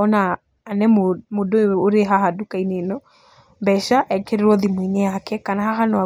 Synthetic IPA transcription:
ɔnaː | nɛmmodooɾeɦaɦadukainenɔ | mbɛʃaʔɛkɛɾɾɔðimwiɲɛakɛkanahaɦanɔa

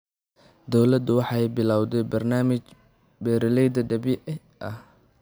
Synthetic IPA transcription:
d̪ɔwlɐd̪ʊwɑħɑjbɪlawd̪ɛjbɐrnaːmɪt͡ʃ | bɛːɾɪlɛjd̪ɐɖɐbɪʔ | ʔɐh

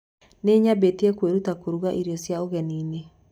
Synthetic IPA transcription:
neːɲabetiɛkweɾutakoɾuɣaʔiɾjɔsjaoɣɛniːne

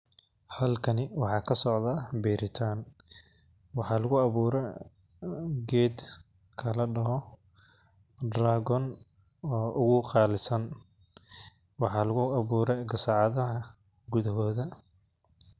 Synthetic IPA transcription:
hɐlkʰɐnɪwɑħɑːkʰɐsɔʕðaːbiːɾɪt̪ʰaːn | wɑħɑːlɐɣʊɐβuːɾɛ | ɡɛːd̪ | kʰɐlɐɖɐɦɔ | dɾaːɣɔn | ɔːʔʊɣʊqɑːlɪsɐn | wɑħɑːlɐɣʊɑβuːɾɛjɡɐsaʕɑðɐɦɐ | ɡʊðɐɦɔːðɐ

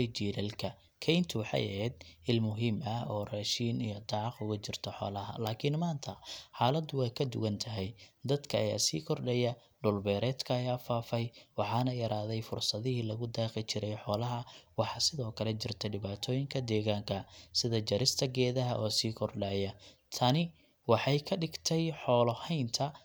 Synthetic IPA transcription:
t͡ʃiːlɐlkʰɐ | kʰɛjnt̪ʰʊħɑ̰jʔɛ̰ɛːd̪ɪlmʊɦiːmɐɔːrɛːʃiːnijɔd̪ɑːʕɑqʊɣʊt͡ʃɪrt̪ʰɔħɔ̰ːlɐɦɐ̰laːkʰɪnmaːnt̪ʰɐħɑːlɐd̪ʊwɛjkʰɐd̪ʊɣɐnt̪ʰɐɦɛjd̪ɐd̪kʰɐːja̰ːsiːkʰɔrɖɛjɐ | ɖʊlbɛːɾɛːd̪kʰɐɐjaːfaːfɛjwɑħɑːnɐjɐɾaːðɛjfʊrsɐðɪɦiːlɐɣʊd̪aːqɪt͡ʃɪɾɛjħɔːlɐɦɐwɑħɑsɪðɔːkʰɐlɛt͡ʃɪrt̪ʰɐɖɪβaːt̪ʰɔːjɪŋkʰɐd̪ɛːɣaːŋkʰɐsɪðɐt͡ʃɐɾɪst̪ʰɐɡɛːðɐɦɐʔɔːsiːkʰɔrɖaːjɐt̪ʰɐnɪ | wɑħɑjkʰɐɖɪɡt̪ʰɛjħɔːlɔhɛjnt̪ʰɐ

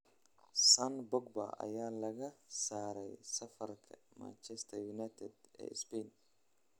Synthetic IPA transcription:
sɐnbɔɡ̚bɐ̰ʔɐ̰jaːlɐɣɐsaːɾɛjsɐfɐrkʰɐma̰nt͡ʃɛst̪ʰɐjunajt̪ʰɛd̪ɛ̰ːɪspɛjn

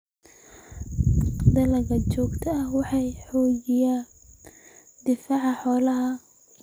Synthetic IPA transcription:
d̪ɐlɐɣɐt͡ʃɔːɡt̪ʰɐɐhwɑħɑjħɔːd͡ʒɪja | d̪ɪfaːʕɑħɔːlɐɦɐ

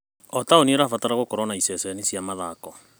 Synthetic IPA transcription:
ɔtaonieɾafataɾaɣokoɾɔnaisɛsɛnisijamaðakɔ

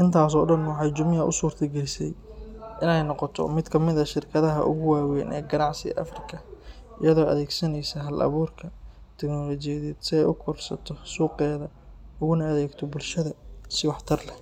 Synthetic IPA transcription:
ʔɪnt̪ʰaːs̬ɔːɖɐnwɑħɑjt͡ʃʊmjɐʔʊ̰suːrt̪ʰɐɡɛlsɛjʔɪnɛjnɔqɔt̪ʰɔ̰mɪd̪kʰɐmɪðɐʃɪrkʰɐðɐɦɐ̰ʔʊ̰ɣʊwaːwɛnɛ̰ːɡɐnɑʕsɪɣɐ̰ʔɐ̰frɪkʰɐ | ʔɪjɐðɔːʔɐ̰ðɛːɡsɐnɛjsɐɦɐlʔɐ̰βuːrkʰɐt̪ʰɛknɔlɔt͡ʃɪjɐðɛːd̪sɪɛjʔʊkʰɔrsɐt̪ʰɔsuːqɛːðɐ | ʊɣʊnɐɐðɛːɡt̪ʰɔbʊlʃɐðɐsɪwɑħt̪ʰɐrlɛ

